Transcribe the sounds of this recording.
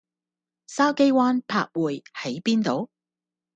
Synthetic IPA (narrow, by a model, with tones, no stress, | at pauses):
saː˥wke˥jwaː˥npʰa̰ː˧k̚wuː˨jhɐ˨˥jpiː˥nt̪o˨˧w